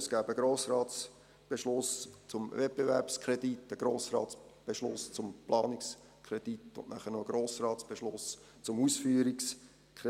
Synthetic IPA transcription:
sɡ̥æːbəɡ̥ɾoːsɾɑːtt͡s | b̥eʃlʊst͡sʊmvɛt̚b̥evɛɾpskʰɾɛditːəɡ̥ɾoːsrɑ̰ːtt͡sb̥eʃlʊ̰st͡sʊmplɑ̰ːnɪks | kʰʁɛd̥itʊ̰nnæχənoɡ̥ɾoːsrɑːtt͡sb̥eʃlʊs | t͡sʊmusfyːəɾiks | kʰɛ

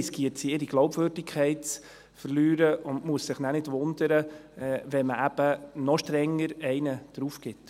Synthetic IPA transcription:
skiətsiɪɾiɡ̥lɔʊbvøɾdɪkʰɛɪtt͡s | fəɾlyːɾəʔʊndmuəssɪχnænɪdʋʊnd̪əɾəɛʋɛnməʔæb̥ənɔʃtɾɛŋːəɾɛɪnəd̥ɾuːfkɪt

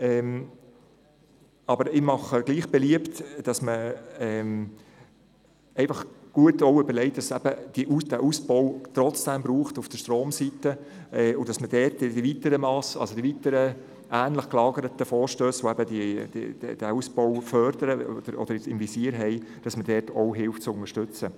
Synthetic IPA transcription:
ɛm | ɑbəɾɪmɑχəɡ̥liːχb̥ɛliəptd̥ɑsməɛːm | ɛɪfɑχɡ̥uətɔʊøbəɾlɛɪt̚d̥ɑsɛbəd̥iʔud̥æʔusb̥ɔʊt̪ɾɔt͡sd̥ɛmbɾuːχtufd̥əʃtɾoːmsitə | ʔɛʊd̥ɑsməd̥ɛtd̥ivitəɾəmɑsɑ̰lsodivitəɾə | ʔæːnləχklɑːɡəɾətəfɔːɾʃtøːsʋoæbədid̥̰d̥̰d̥æusb̥ɔwfœɾd̥əɾəɔ̰d̪̥əɾɔ̰d̥əɾɪt͡sɪmvisiːɾɦɛɪ | d̥ɑsmədɛːtɔʊɦɪlftt͡sʊnəʃtʏt͡sə

